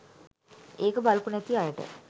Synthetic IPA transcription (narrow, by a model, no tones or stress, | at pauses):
eːkəbɐlpunet̪ːiajəʈə̰